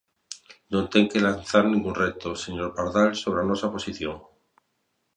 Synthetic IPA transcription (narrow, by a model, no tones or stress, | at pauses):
nõnt̪eŋkelanθaɾnĩŋɡunret̪oseɲoɾpaɾðalsoβ̞ɾeanosapo̞siθjoŋ